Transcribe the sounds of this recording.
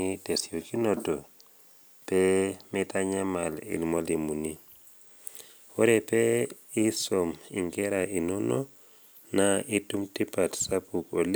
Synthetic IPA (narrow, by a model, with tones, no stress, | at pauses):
i˦te˨si˨o˨ki˦no˨to˨ | pɛ˦mɛ˦ta˦ɲa˦ma˨lḭ˨lmo˦li˨mu˨ni˦ | o˦ɾɛ˨pɛ˦ | i˦so˨mḭ˨ŋɡɛ˦ɾa˨i˨no˦no˦ | na˦ɪ˦tu˦mti˦pa˨tsa˦pu˨ko˨l